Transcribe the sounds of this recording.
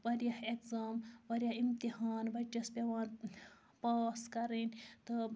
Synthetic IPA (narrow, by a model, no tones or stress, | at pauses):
ʋɐɾjɐhekzaːmʋɐɾjɐimt̪ihaːnʋɐt͡ʃːɐspʲɐʋaːn | paːskɐɾinʲt̪ɐ